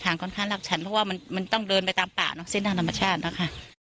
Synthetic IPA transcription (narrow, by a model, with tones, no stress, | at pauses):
t̪ʰaː˩˦ŋkɔː˧˩nkʰa˧˥˩ŋla˨˩k̚t͡ɕʰa˦˥npʰɔ˦˥waː˥˩ma˧nma˧nt̪ɔ˥˩ŋdɤː˧npa˧jt̪aː˧mpa̰ː˨˩nɔ˦˥se˥˩nt̪ʰa˥˩ŋt̪ʰa˧mːa˧t͡ɕʰaː˥˩t̪̚na˦˥kʰa˥˩